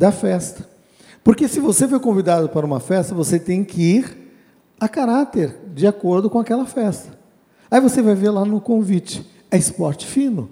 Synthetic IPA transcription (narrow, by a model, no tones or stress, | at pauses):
d̪ɐfɛst̪ɐ̥ | poɾkesɪvosefoɾkõvid̪ad̪ʊpaɾɐũmɐfɛst̪ɐvoset̪ẽj̃kɪiɾ | ɐkaɾat̪eɾd͡ʒɪakoɾd̪ʊkõakɛlɐfɛst̪ɐ̥ | aivosevajveɾlanʊkõvit͡ʃɪ̥ | ɛɪspɔɾt͡ʃɪ̥fĩnʊ